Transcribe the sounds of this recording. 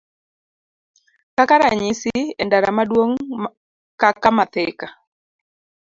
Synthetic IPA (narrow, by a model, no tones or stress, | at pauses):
kakaɾaɲisɪɛndaɾamadwoŋ | kakamat̪ɪka